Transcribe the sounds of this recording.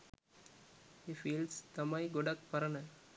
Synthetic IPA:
hifiːlst̪ɐmɐɪɡʊɖɐkpɐɾɐnɐ

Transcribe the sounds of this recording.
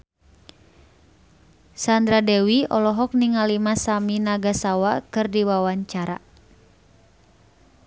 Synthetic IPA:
sand̪ɾadɛwiɔlɔɦɔk̚niŋalimasaminaɡasawakɨrdiwawaɲt͡ʃaɾa̰

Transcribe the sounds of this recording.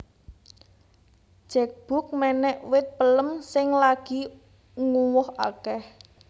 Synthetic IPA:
d̥ʒ̥ɛ̤k̚b̥ʊ̤k̚mɛnɛʔwɪt̪̚pələmsɪŋlaɡ̥i̤ | ŋuwʊha̰kɛh

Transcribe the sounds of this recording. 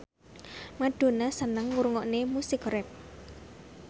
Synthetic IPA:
maɖ̪̥o̤nasənəŋwuɾŋɔʔnemusɪkrɛp̚

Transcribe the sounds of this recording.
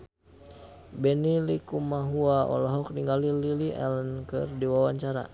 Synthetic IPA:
bɛnilikumaɦuaʔɔ̰laɦɔk̚niŋɡalililiʔɛ̰lənkɨrdiwawaɲt͡ʃaɾa̰

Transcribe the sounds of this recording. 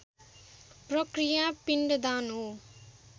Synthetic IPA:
prʌkrijapiɳɖʌd̪anɦo

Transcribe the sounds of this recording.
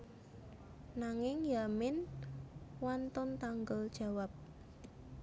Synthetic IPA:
naŋɪŋjamɪn | want̪ɔnt̪aŋɡəld̥ʒ̥a̤wap̚

